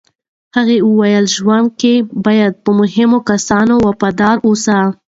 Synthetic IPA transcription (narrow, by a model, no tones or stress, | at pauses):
haɣeəwajəlʒwand̪̚kebɑjad̪̚pəmʊɦɪmokasɑnowapɑd̪ɑɾosa